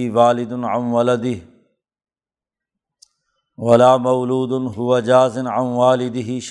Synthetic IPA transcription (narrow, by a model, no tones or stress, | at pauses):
iwaːlɪd̪ʊnʕanwɐlɐd̪ɪɦ | wɐlaːmɐwluːd̪ʊnɦʊwɐd͡ʒaːzɪnʕanwaːlɪd̪ɪɦɪʃ